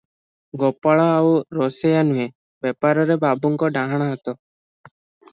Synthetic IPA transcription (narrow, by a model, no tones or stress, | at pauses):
ɡɔpaɭaːuɾɔsejanue | bɛpaɾɔɾebabuŋkɔɖaɦaɽ̃ɔɦɔt̪ɔ